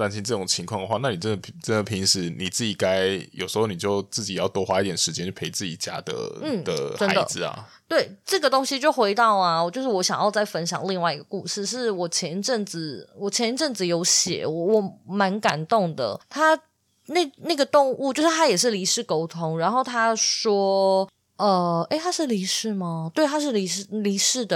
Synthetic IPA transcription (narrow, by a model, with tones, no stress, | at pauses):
t̪a˧˥nɕʰi˥nʈ͡ʂɤ˥˩ʈ͡ʂʊ˨˩ŋt͡ɕʰi˧˥ŋkʰwɑ˥˩ŋd̪ə˩xwa˥˧na˥˩ni˨˩ʈ͡ʂə˥˦nd̪ə˩ʈ͡ʂə˥nd̪ə˨˩pʰi˧˥ŋʂɻ̩˧˥ni˨˩t͡sɹ̩˥˩t͡ɕi˨˩ka˥ɪjo˨˩ʊʂɻ̩˧˥xo˥˩ʊni˨˩t͡ɕjo˥˧ʊt͡sɹ̩˥˩t͡ɕi˨˩jɑ˥˩ʊt̪wɔ˥xwa˧˥i˥t̪jɛ˥˩nʂɻ̩˧˥t͡ɕjɛ˥nt͡ɕʰpʰe˧˥ɪt͡sɹ̩˥˩t͡ɕḭ˨˩t͡ɕja̰˥d̪ə̰˧˩n̩˥˩d̥̪ə̰ʈ͡ʂə˦˥a˧˦d̪ə̰˨˧d͡zɹ̩˧˨ɐ̰˨˩ | t̪we˥˩ɪʈ͡ʂɤ˥˩ɡə˩t̪o˥ŋɕi˧˥t͡ɕjo˥˩ʊxwe˧˥ɪt̪ɑ˥˩ʊa˩t͡ɕjo˥˧ʂɻ̩˥˩wɔ˧˥ɕjɑ̰˨˩ŋjɑ˥˧ʊt͡sa˥˩ɪfə˦nɕjɑ̰˨˩ŋli˥˧ŋwa˥˩ɪi˧ɡə˨ku˥˧ʂɻ̩˥˧ʂ̬ɻ̩˥˩wɔ˨˩t͡ɕʰjɛ˧˥nʈ͡ʂɤ˥˩ŋd͡zɹ̩˨˩wɔ˨˩t͡ɕʰjɛ˧˥nʈ͡ʂɤ˥˩ŋd͡z̩˨˩jo˧˥ʊɕjɛ̰˨˩˦wɔ˧˩wɔ˨˩ma˧˥nka˨˩nt̪ʊ˥˩ŋd̪ə̰˩t̪ʰa˥ | ne˥˩na˥˩ɡə˩t̪ʊ˥˧ŋu˥˩t͡ɕjo˥˧ʊʂɻ̩˥˩t̪ʰa˥jɛ˨˩ʂ̬ɻ̩˥˩li˧˥ʂɻ̩˥˩ko˥ʊt̪ʰʊ˥ŋɻa˧˥nxo˥˩ʊt̪ʰa˥ʂwɔ˥ | ə˧˩e˥ɪt̪ʰa˥ʂɻ̩˥˩li˧˥ʂɻ̩˥˩mɐ˨˩t̪we˥˩ɪt̪ʰa˥ʂ̬ɻ̩˥˩li˧˥˩li˧˥ʂɻ̩˥˩d̪ə˩